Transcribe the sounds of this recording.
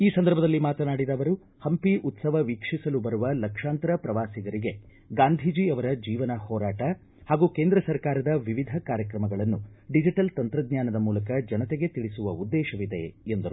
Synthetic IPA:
iːsɐnd̪ɐɾbʱɐd̪ɐlːimaːt̪ɐnaːɽid̪ɐːʋɐɾu | hɐmpiʔut̪sɐʋɐʋikʂisɐlubɐɾuʋɐlɐkʂaːnt̪ɾɐpɾɐʋaːsiɡɐɾiɡe̞ | ɡaːnd̪ʱid͡ʒiɐʋɐɾɐd͡ʒiːʋɐnɐhɔːɾaːʈɐ | haːɡuːkeːnd̪ɾɐsɐɾkaːɾɐd̪ɐʋiʋid̪ʱɐkaːɾjɐkɾɐmɐɡɐɭɐnːuɖid͡ʒiʈɐlt̪ɐnt̪ɾɐd̪̚ɲjaːnɐd̪ɐmuːlɐkɐd͡ʒɐnɐt̪eɡe̞t̪iɭisuʋɐud̪ːɛːʃɐʋid̪e̞̰end̪ɐɾu

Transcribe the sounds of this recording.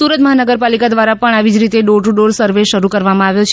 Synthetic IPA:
suɾət̪məɦanəɡəɾpalikad̪ʋaɾapəɳaʋid͡ʒɾit̪eɖoʈuɖoɽsəɾʋeʃəɾukəɾʋamãaʋjot͡ʃʰ

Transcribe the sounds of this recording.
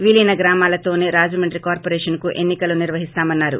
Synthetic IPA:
ʋilinɐɡɾaːmaːlɐt̪o̞ːne̞ːɾaːd͡ʒɐmɐɳʈɾikaːɾpoːɾɛːʂɐnkuʔe̞nːikɐluniɾʋɐɦist̪aːmɐnːaːɾṵ

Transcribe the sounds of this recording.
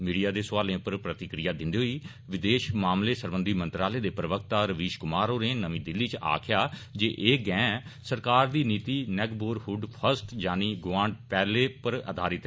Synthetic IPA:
miːɖijaːd̪eːsʋaːlẽːpəɾpɾət̪ɪkɾijaːd̪ɪnd̪eːɦoiː | ʋɪd̪eːʃmaːmleːsəɾbənd̪iːmə̃nt̪ɾaːleːd̪eːpɾəʋək̚t̪aːɾəʋiːʃkʊmaːɾoːɾẽːnəʋĩːd̪ɪlːiːt͡ʃa̰ːkʰɪjaːd͡ʒeːʔeːɡɛ̃ːsəɾkaːɾd̪iːniːt̪iːnɛːkboːɾhʊɖpʰəɾsʈd͡ʒaːniːɡʋãːɳɖpɛːleːpəɾə̰d̪ʱaːɾɪt̪

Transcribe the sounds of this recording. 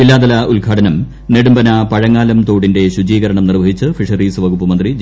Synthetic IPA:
ilːaːd̪ɐlɐʔulɡʱaːʈʰɐnɐm | neɽumbɐnɐpɐɻɐŋːaːlɐmt̪o̞ːɽinde̞ɕud͡ʑiːɣɐɾɐɳɐmnirʋɐɦit͡ɕːɨfiʂɐriːsɨʋɐɡupːɨmɐnd̪rid͡ʑ

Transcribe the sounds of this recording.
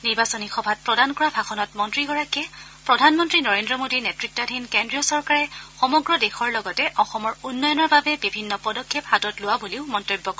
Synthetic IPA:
niɹbasɔnixɔbʱat̚pɹɔdankɔɹabʱaxɔnɔtmɔntɹikɔɹakɛ | pɹɔdʱanmɔntɹinɔɹendɹɔmodinɛtɹik̚tadʱinkendɹijɔsɔɹkaɹɛxɔmɔɡɹɔdexɔɹlɔɡɔtɛʔɔxɔmɔɹunːɔjɔnɔɹbabɛbibʱinːɔpɔdɔkʰːephatɔtlʊwaboliʊmɔntojbːɔkɔɛ

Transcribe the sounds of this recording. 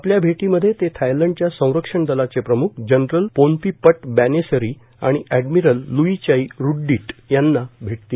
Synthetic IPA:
apljabʱeʈiməd̪ʱːjet̪et̪ʰajləɳɖ̚t͡ɕjasə̃w̃ɾəkʂəɳd̪əlat͡sepɾəmukʰd͡ʑənɾəlponp̪iːpəʈ̚bænesəɾi | a̰ɽ̃iæɖmiɾəlːuit͡ɕaiɾuɖːiːʈjanːabʱeʈ̚t̪iː

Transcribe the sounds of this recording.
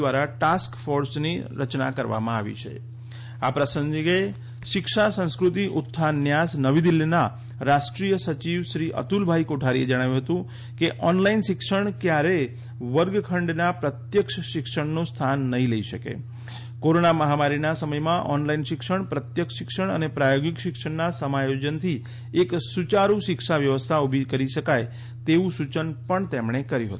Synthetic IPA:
ʋaɾaʈaskfoɾsniɾət͡ʃna̰kəɾʋa̰mãaʋḭt͡ʃʰḛ | apɾəsə̃ŋɡiɡe | ʃɪkʃasə̃ñskɾʊt̪iʔʊt̪ʰːanjasnəʋid̪ilːina | ɾaʃʈɾijəsət͡ʃiʋʃɾiʔə̰t̪ulbʱaikoʈʰaɾied͡ʒəɽ̃aʋjũɦət̪ũ | keʔɔnlainʃɪkʂəɳ̃kjaɾe | ʋəɾɡkʰəɳɖnapɾət̪jəkʃʃɪkʃəɳnost̪ʰanːəɦĩləiʃəkḛ | koɾonaməɦamaɾinasəməjmãʔɔnlainʃɪkʃəɳ̃pɾət̪jəkʃɪkʃəɳ̃ə̰nepɾajoɡɪkʃɪkʂəɳnasəmajod͡ʒənt̪ʰi | eksut͡ʃaɾũʃɪkʃaʋjəʋəst̪ʰaubʱikəɾiʃəkaj | t̪eʋũsut͡ʃənpəɳt̪emɳekəɾjũɦət̪ũ

